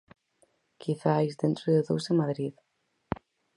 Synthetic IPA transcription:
kʰiθajzðent̪ɾoðeðowsemaðɾið

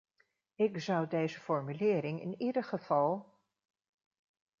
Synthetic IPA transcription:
ɪkzʌwdejzəfɔɹmylɪːɾɪŋɪ̰nidəχəv̥ɑlˠ

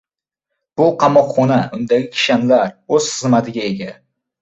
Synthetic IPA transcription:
b̥ʊqʰɑmɒqχɒnaʊnd̪aɡʲɪkʲʰɪ̥ʃanlaɾɵzχɨzmat̪ʰɪɡʲaeɡʲa

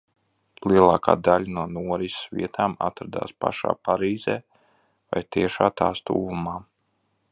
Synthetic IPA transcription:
lˠiɛlˠaːkʰa̰ːd̪alʲanuɔnuɔɾisvḭɛt̪ʰaːma̰t̪ɾad̪a̰ːspa̰ʃa̰ːpaɾiːzeː | va̰jt̪iɛʃaːt̪aːst̪ṵːvumaː

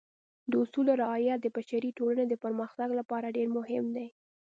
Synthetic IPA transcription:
d̪əʊsuloɾɪɑjad̪əbaʃaɾiʈolaned̪əpəɾməxt̪aɡlapɑɾaɖeɾmʊhɪmd̪aj

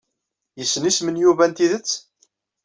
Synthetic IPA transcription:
jəsːnismənjuvænt̪iðət͡sː

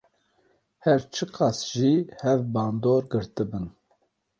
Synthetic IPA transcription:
hɛɾt͡ʃʰɨqɑsʒihɛvbɑːnd̪oːɾɡɨɾt̪ɨbɨn

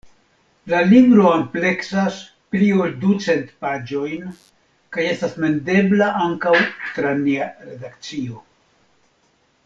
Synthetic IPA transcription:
lalibɾo̞ample̞ksas | plio̞ldut͡se̞ntpad͡ʒo̞jn | kaje̞stasme̞nde̞blaʔaŋkawt̪ɾaniaɾe̞dakt͡sio̞

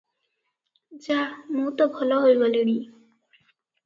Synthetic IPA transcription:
zanutɔbʱɔlɔɦojbɔleɹi

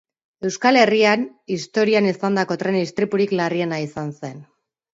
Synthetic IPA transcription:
e̞wskale̞rian | ist̪o̞ɾianisand̪ako̞t̪ɾe̞nist̪ɾipuɾiklarie̞naisanse̞n

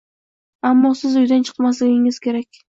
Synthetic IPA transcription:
amːɒsɪzʊjd̪ant͡ʃʰɨ̥qmaslɪɡʲɪŋɪz̥kʲʰe̞ɾakʲ

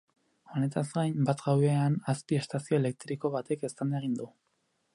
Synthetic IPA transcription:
o̞ne̞t̪azɡajmbat̪ɡawβeanaspie̞st̪asio̞e̞le̞k̚t̪ɾiko̞βat̪e̞ke̞st̪and̪aeɣind̪u

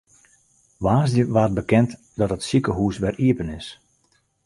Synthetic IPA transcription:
ʋaːzdjəʋaːt̚bəkɛnt | dɔtətsikəɦuːsʋɛriəpənɪs

